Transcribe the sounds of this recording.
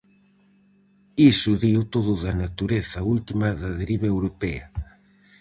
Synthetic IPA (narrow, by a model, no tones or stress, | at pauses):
isʊðiwt̪oðʊðanat̪uɾeθɐault̪imaðaðeɾiβeewɾopɛɐ̰